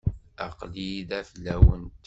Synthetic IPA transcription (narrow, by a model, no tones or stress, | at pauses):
æqliðæflːæwə̰nt̪